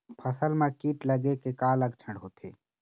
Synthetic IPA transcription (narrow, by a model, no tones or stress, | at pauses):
pʰəsəlmẽkiːʈləɡekekãːləɡt͡ʃʰəɳɖɦoːt̪ʰḛː